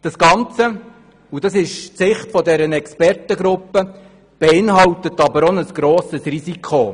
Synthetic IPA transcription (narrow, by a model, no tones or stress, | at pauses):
d̥ɑsɡ̥ɑnt͡sə | ud̥ɑsɪʃsɪχtfɔdɛɾənɛkspɛrtəɡɾʊpːə | b̥ɛɪnɦɑwtətːɑbəɾɔnəsɡ̥ɾɔːsəsrisikʰχo